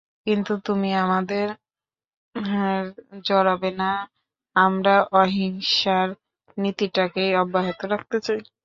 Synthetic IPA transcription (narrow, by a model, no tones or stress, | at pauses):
kint̪ut̪umiamad̪eɾ | ɾd͡ʑɔɾabena | amɾaʔɔɦiŋʃaɾ | nit̪iʈakejɔbːaɦit̪oɾak̚t̪et͡ɕaj